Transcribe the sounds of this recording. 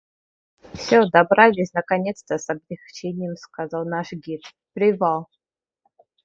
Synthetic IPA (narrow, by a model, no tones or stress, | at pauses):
fsʲɔd̪ɐbɾalʲɪsʲnɐkanʲɛt̪st̪əsɐblʲɪxt͡ʃenʲɪjɛmskazalˠnaʂɡʲit̪ | pɾʲɪvalˠ